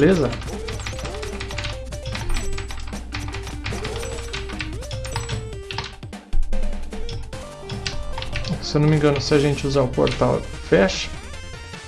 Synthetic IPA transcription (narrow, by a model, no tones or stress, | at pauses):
lezɐ | sewnumĩŋɡɐ̃nʊsɪaʒẽnt͡ʃɪuzaʊpo̰ɾt̪awfɛʃɐ̥